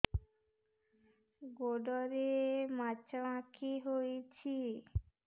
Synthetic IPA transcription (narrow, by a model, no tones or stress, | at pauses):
ɡoɖɔɾemat͡ɕʰaãkʰiɦojt͡ɕʰi